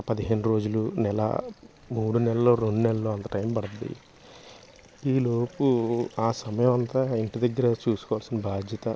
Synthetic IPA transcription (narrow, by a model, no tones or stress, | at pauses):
pɐd̪iɦeːnuɾo̞ːd͡ʒulunɛlɐ̰ | muːɽunɛlɐlːo̞ːɾeɳɖunɛlɐlo̞ːɐnt̪ɐʈɐjmpɐɽɐd̪ḭ | iːlo̞ːpuaːsɐmɐjɐmɐnt̪aːiɳʈid̪ɐɡːɐɾɐt͡ʃuːsu̥kɔːʋaːlsinɐbʱaːd̪ʱjɐt̪ɐ